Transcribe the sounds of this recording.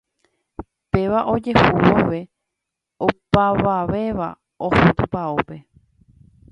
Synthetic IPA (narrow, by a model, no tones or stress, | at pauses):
pe̞ʋaʔo̞d͡ʒehuwoʋe̞ | opaʋaʋe̞ʋa̰ | ohot̪upaope̞